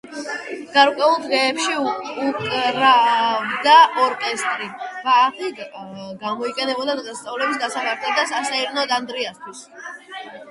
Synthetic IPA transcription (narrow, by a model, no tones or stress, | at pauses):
ɡ̥aɾkʼwɛulˠd̪ʁɛːpʃiukʼɾavd̪aʔɔɾkʼɛst̪ʼɾib̥aːtʰiɡamɔiqʼɛnɛbɔd̪ad̪ʁɛst̪sʼavlɛbisɡ̪asamaɾt̪ʰlɛd̪asasaiɾnɔd̪and̪ɾiast̪ʰwis